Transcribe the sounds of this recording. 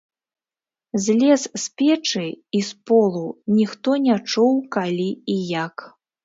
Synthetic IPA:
zʲlʲɛssʲpʲɛt͡ʂɨispɔlˠunʲixt̪ɔnʲat͡ʂuwkalʲiijak

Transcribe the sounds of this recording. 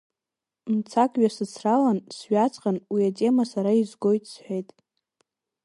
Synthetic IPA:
mt͡sʰakʼɥasɨt͡sʰralansɥat͡sʼqʼanwiatʼe̞masaɾaizɡo̞jtʼsħʷᶣejtʼ

